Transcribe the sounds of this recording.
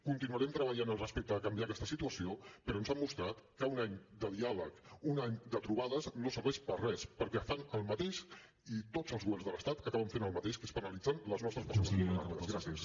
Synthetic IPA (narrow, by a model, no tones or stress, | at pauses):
kunt̪inuəɾɛmt̪ɾəβəʎanəlˠrəspek̚t̪əːkəmbiakɛst̪əsit̪uəsiopəɾɔnzamːust̪ɾat̪kəunaɲd̪əðialəkunaɲd̪ət̪ɾuβaðəznosəɾβɛʃpərɛspəɾkɛfanəlˠmət̪eʃ | it̪od͡zəlˠzɣuβɛrnzðələst̪at̪əkaβəɱfenəlˠmət̪eʃkəspənəlid͡zanləznɔst̪ɾəspəsozia̰ɡɾasiəs